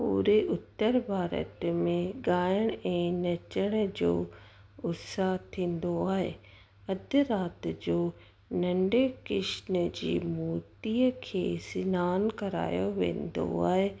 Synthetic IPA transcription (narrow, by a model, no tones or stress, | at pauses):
pṵːɾeʔʊt̪ːəɾbʱaːɾə̰t̪mẽɡaːəɽ̃ɛ̃ːnɐt͡ɕəɽ̃d͡ʑo̰ː | ʊsaɦt̪ʰĩːnd̪oaːɦḛ | ɐd̪ʱəɾaːt̪d͡ʑoː | nɐ̃ɳɖekɪʃnəd͡ʑḭːmuːt̪iːəkʰeːsɪnaːnkɐɾa̰ːjoʋḛ̃ːnd̪o̰a̰ːɦe